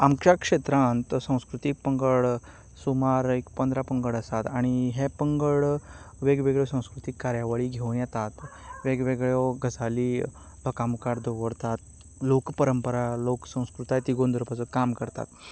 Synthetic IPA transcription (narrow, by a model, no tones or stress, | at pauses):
amkʂjakʂet̪ɾãnt̪əsə̃w̃skɾut̪ik̚pəŋɡəɭ | sumaɾekpənd̪ɾapəŋɡəɭəsat̪aɽ̃iɦepəŋɡəɭ | ʋeɡʋeɡɭjɔsãw̃skɾut̪ikːaɾjaʋaɭiɡʱeunjɛt̪at̪ | ʋeɡʋeɡɭjɔɡʱəd͡zali | bʱəkamukaɾd̪ʱoʋəɽt̪at̪̚ | lokpəɾəmpəɾaloksə̃w̃skɾut̪ajt̪iɡond̪ɾupat͡sɔkamkəɾt̪a̰t̪